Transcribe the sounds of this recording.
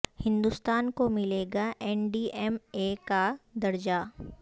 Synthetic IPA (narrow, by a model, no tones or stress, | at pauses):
hɪ̃nd̪ust̪aːnkomɪleːɡaʔɛːnɖiːɛmekad̪ɐɾd͡ʒa